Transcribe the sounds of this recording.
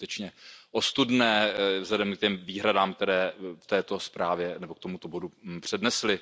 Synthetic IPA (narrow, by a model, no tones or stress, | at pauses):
t̪ɛt͡ʃɲɛʔost̪udnɛːvzlɛdɛmk̚cɛmviːɦɾadaːmk̚t̪ɛɾɛːft̪ɛːt̪o̞spɾaːvjɛnɛbo̞kt̪omut̪o̞bo̞dupr̝̥ɛdnɛslɪ